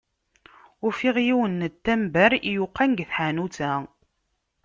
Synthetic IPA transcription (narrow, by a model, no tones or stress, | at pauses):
ʊɾfiʁjiwənːət̪ːæmbæɾijuqːanɡθħanut͡sæ